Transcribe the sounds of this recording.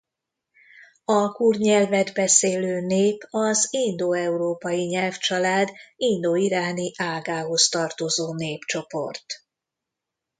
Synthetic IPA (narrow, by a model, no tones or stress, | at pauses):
ɒkurɲɛlvɛd̪bɛseːløːneːpɒzind̪oɛuɾoːpɒjiɲɛlft͡ʃɒlaːd̪ind̪oːiɾaːniʔaːɡaːɦo̞st̪ɒrt̪o̞zoːneːpt͡ʃo̞po̞̰rt̪